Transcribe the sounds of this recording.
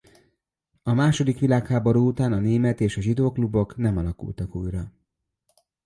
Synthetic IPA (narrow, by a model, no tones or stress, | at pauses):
ɒmaːʃo̞d̪ikʋilaːkhaːboɾuːut̪aːnɒneːmɛt̪eːʃɒʒid̪oːklubo̞knɛmɒlɒkṵlt̪ɒkuːjrɒ